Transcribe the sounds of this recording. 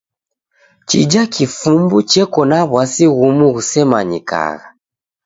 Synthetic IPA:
t͡ʃḭd͡ʒakʰifumbut͡ʃɛkɔnaβwasiɣumuɣusɛmaɲḭka̰ɣa

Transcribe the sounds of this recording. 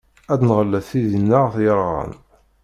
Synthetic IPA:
æd̪nʁəlːæθθiðinːəʁθjəɾˤʁə̰n

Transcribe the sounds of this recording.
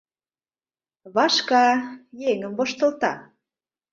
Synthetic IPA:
βɑʃkɑjeŋəmvoʃt̪ə̆lt̪ɑ̰

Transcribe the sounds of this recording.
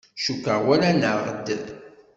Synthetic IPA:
ʃukəʁwæɾænəʁə̰d̪ːə̰ð

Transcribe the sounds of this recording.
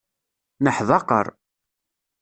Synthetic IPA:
nəħðˤɑqə̰ɾˤ

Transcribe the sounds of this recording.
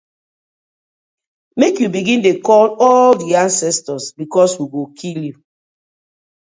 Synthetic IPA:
mekjubiɡĩndekɔlɔldiãnsɛstɔsbikɔswiɡokʰilju

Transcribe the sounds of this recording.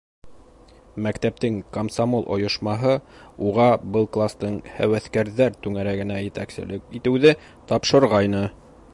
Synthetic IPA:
mækt̪æp̚t̪ɘŋkomsamolˠʔŏ̰jŏʃmɑɦɤuʁɑbɤlˠklˠast̪ɤɴhæ̰wæθkæɾðæɾt̪ʉŋæɾæɡɘ̆næjɘ̆t̪æksɘ̰̆lɘkit̪ɘ̆wðɘ | t̪ɑpʃɤ̆ɾʁɑjnɤ

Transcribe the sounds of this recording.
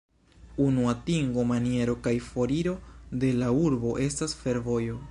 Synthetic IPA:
unuatiŋɡo̞manie̞ɾo̞kajfo̞ɾiɾo̞de̞lauɾbo̞ʔe̞stasfe̞ɾvo̞jo̞

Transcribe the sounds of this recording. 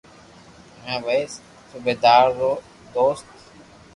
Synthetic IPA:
ɦɛ̃ːʋeːs | subeːd̪aːɾːoː | d̪oːst̪

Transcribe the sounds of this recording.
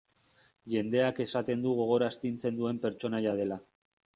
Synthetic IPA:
ʝe̞nd̪e̞ake̞sat̪e̞nd̪uɣ̞o̞ɣ̞o̞ɾast̪int͡se̞nd̪ue̞mpe̞ɾt͡ʃo̞najað̞e̞la

